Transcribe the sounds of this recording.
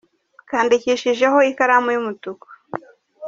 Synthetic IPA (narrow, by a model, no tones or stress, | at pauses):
kaːndiciʃiʒeɦo̞ikaɾamujumutukḁ